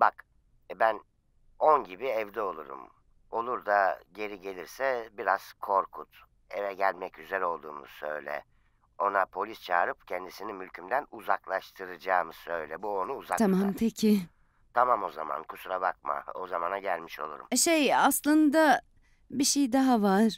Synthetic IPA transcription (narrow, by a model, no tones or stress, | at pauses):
bak | bæn | onɟibiɛvd̪ɛo̞lˠuɾṵm | o̞lˠuɾd̪aɟe̞ɾiɟe̞lʲiɾsɛbiɾaz̥kʰo̞ɾkʰut̪ | evɛɟælʲmɛcyzeɾɛo̞lˠd̪ṵːmṵsø̞̰jlʲɛ̰ | o̞napʰo̞lʲist͡ʃʰaːɾɯpcʰɛnd̪isinimylʲcʰymd̪ænuzaklˠaʃt̪ʰɯɾɯd͡ʒaːmɯsø̞jlʲɛbuonuːzat̪ʰamamt̪ʰecʰɪ | t̪ʰamamo̞za̰ma̰nkʰusuɾabak̚ma̰ozamanaɟælʲmiʃo̞̰lˠṵɾṵmʃejaslˠɯnd̪a | biʃejd̪aɦavaɾ̥